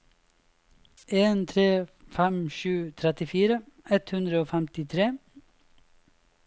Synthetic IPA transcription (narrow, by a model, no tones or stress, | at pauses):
eːnt̪ʰɾeːfɛmʃʉːt̪ʰɾɛt̪ɪfiːɾəɛt̪hʉnd̪ɾəoːfɛmt̪ɪt̪ʰɾeː